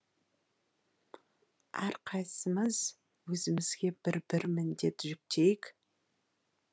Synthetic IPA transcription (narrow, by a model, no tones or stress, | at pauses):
æɾqʰɑjsəməz̥ | wɵzɪmɪz̥ɡʲe̞bɪɾbɪɾmɪnd̪e̞pʒʏk̚t̪ʰe̞jɪkʲ